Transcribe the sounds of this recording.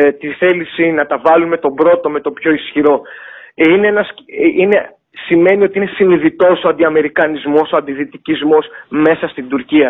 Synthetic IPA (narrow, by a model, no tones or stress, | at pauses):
t̪iθe̞lisinɐt̪ɐvɐlume̞t̪o̞bɾo̞t̪o̞me̞t̪o̞pço̞isçiɾo̞ | ineenɐsine̞ | sime̞nio̞t̪iinesiniðit̪o̞soɐnd̪iɐme̞ɾikɐnizmo̞soɐnd̪iθit̪icizmo̞sme̞sɐst̪id̪uɾciɐ